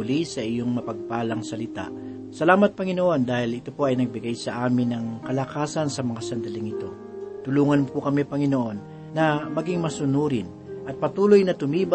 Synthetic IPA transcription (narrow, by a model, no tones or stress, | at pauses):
ʊlisɐʔɪjo̞ŋmɐpɐɡ̚paːlɐŋsɐlɪt̪a̰ʔ | sɐlaːmɐt̪̚pɐŋɪnoʔo̞nd̪aːhɪlɪt̪opo̞ʔɐjnɐɡ̚bɪɡajsɐʔaːmɪnːɐŋkɐlɐkaːsɐnsɐmɐŋasɐnd̪ɐlɪŋɪt̪o̞ | t̪ʊluːŋɐnkʊkɐmɛpɐŋɪnoʔo̞nː | ɐmɐɡiŋmɐsʊnuːɾɪn | ʔɐt̪̚pɐt̪uːlojnɐt̪ʊmiːb